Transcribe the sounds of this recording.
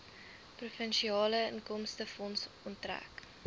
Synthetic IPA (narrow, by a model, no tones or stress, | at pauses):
prufənʃiɑːləəŋkɔmstəfɔns | ɔntræ̰k